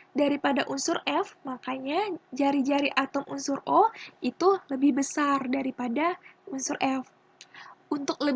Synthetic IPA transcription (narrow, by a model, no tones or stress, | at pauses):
daɾipadaʔunsʊrɛfmakaɲad͡ʒaɾid͡ʒaɾiʔat̪ɔmunsʊɾoit̪uləbɪhbəsardaɾipadaunsʊrʔɛf | ʔunt̪ʊk̚lə